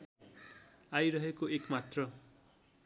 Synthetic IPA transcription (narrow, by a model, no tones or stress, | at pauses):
ajɾʌɦekoekmat̪rʌ